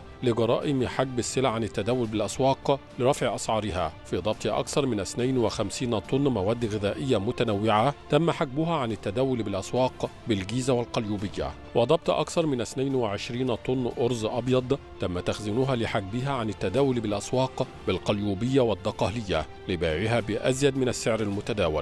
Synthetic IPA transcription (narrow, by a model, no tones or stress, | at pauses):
lɪɡɑɾˤɑ̰ːʔɪmħaɡ̚bɪsːɪlaʕanɪt̪ːæd̪æːwʊlbɪlʔæswɑːqlɪɾˤɑfʕɪʔɑsʕɑːɾˤɪhæ̰ːfiːd̪ˤɑb̚t̪ˤiʔɑ̰kθɑɾˤmɪnʔɪθnajnwɪxæmsiːnt̪ˤʊnːmæwæːd̪ːɣɪðæːʔɪjːamʊt̪ænawːɪʕat̪æmːaħaɡ̚bʊɦaʕanɪt̪ːæd̪æːwʊlbɪlʔæswɑːqbɪlɡiːzawalqɑljuːbɪjːa̰ | wɑd̪ˤɑb̚t̪ʔɑkθɑɾˤmɪnɪθnajnwɪʕɪʃɾiːnt̪ˤʊnːʔʊɾzʔɑbjɑd̪ˤt̪amːat̪axzɪnʊɦaːlɪħaɡ̚bɪɦaːʕanɪt̪ːad̪æːwʊlbɪlʔæswɑːq | bɪlqɑljuːbɪjːawad̪ˤːɑqɑːlɪjːa | lɪbaːʕɪɦaːbɪʔazjad̪mɪnasːɪʕɾalmʊt̪ad̪aːwa̰l